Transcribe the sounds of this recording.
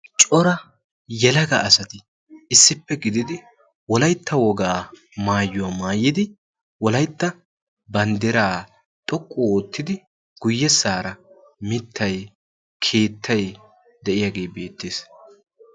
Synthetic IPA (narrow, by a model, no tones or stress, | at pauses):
t͡ʃʼɔɾɐ | jɛlɐɡɐʔːsɐt̪ɪ | ɪsːɪpːɛɡɪd̪ɪd̪ɪ | wɔlɐjt̪ʰːɐwɔɡaː | maːjːʊwamaːjːɪd̪ɪ | wɔlɐjt̪ːɐ | bɐnd̪ɪɾaː | t̪ʼɔkʼːooːt̪ːɪd̪ɪ | ɡ̥ʊjːɛsaːɾɐ | mɪt̪ʰːɐj | kʰe̞ːt̪ʰːɐj | d̪ɛʔɪjaːɡe̞ːbe̞ːt̪ːeːs